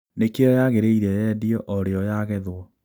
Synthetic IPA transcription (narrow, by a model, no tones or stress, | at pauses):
nekeɔjaɣeɾeiɾɛjɛdiɔʔɔɾeɔjaɣɛðwɔ